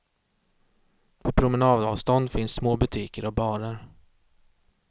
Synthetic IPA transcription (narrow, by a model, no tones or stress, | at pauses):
pʰɔpʰɾʊmɛnɑːd̪əɑ̰vst̪ɔnd̪fɪnsːmoːbɵt̪ʰiːkəɾɔbɑːɾəɾ